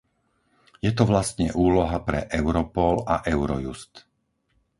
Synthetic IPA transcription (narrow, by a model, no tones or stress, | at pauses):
jɛt̪ɔʋlast̪ɲɛʔuːlɔɦapɾɛʔɛʊɾɔpɔlaʔɛʊɾɔjṵst̪